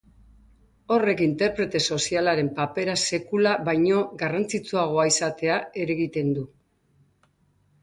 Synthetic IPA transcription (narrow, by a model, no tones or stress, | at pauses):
o̞re̞kint̪e̞ɾpɾe̞t̪e̞so̞sialaɾe̞mpape̞ɾase̞kulaβajɲo̞ɣarant͡sit͡suaɣ̞o̞aisat̪e̞ae̞ɾe̞ɣit̪e̞nd̪u